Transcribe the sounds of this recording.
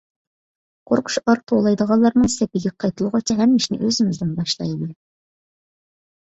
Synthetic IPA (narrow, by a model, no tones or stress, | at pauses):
qʰoɾqʰʊ̥ʃɑɾq̚t̪ʰolˠɑjd̪əʁɑlˠːɑɾnɨŋsɛpɪɡʲɛqʰɑjt̪ʰɨlˠʁɑt͡ʃʰɛɦɛmːɪʃnɪ̰ʔøzɪmɪzd̪ɪnbɑʃlˠɑ̰jd̪ɨ